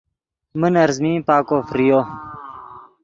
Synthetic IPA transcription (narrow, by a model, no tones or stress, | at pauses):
mənɐɾzmĩːpaːkoːfɾijoː